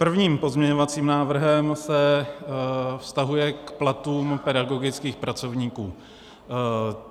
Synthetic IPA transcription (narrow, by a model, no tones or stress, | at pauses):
pr̩vɲiːmpo̞zmɲɛɲo̞vat͡siːmnaːvr̩ɦɛmsɛ | fst̪aɦujɛkplat̪uːmpɛdaɡo̞ɡɪt͡skiːxpɾʔat͡so̞vɲiːkuː